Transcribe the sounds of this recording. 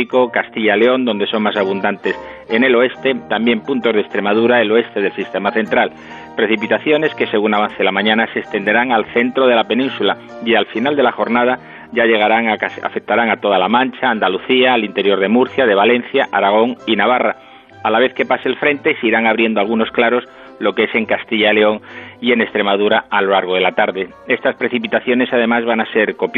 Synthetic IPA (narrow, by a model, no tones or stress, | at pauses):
iko̞kast̪iʎaleo̞nd̪o̞nd̪e̞so̞ŋmasaβ̞und̪ant̪e̞s | ene̞lo̞e̞st̪e̞t̪ambje̞mpunt̪o̞zð̞est̪ɾe̞mað̞uɾaelo̞e̞st̪e̞ð̞e̞lsist̪e̞maθe̞nt̪ɾal | pɾe̞θipit̪aθjo̞ne̞ske̞se̞ɣ̞unaβ̞an̟θelamãɲãnasest̪e̞nd̪e̞ɾaŋalθe̞nt̪ɾo̞ð̞e̞lape̞nĩnsula | ialfinald̪e̞laxo̞ɾnað̞a | ʝaʎe̞ɣ̞aɾaŋa̰fek̚t̪aɾaŋat̪o̞ð̞alamãnt͡ʃaːnd̪aluθiaːlint̪eɾjo̞ɾð̞e̞muɾθjaðe̞β̞alẽ̞n̟θjaʔa̰ɾaɣ̞o̞ŋinaβ̞araː | laβe̞θke̞paselfɾe̞nt̪e̞seiɾaŋaβ̞ɾje̞nd̪oalɣuno̞sklaɾo̞s | lo̞keese̞ŋkast̪iʎale̞o̞ŋie̞ne̞st̪ɾe̞mað̞uɾaalo̞laɾɣ̞o̞ð̞e̞lat̪aɾðe̞ | e̞st̪aspɾe̞θipit̪aθjo̞ne̞sað̞e̞mazβanase̞ɾko̞pj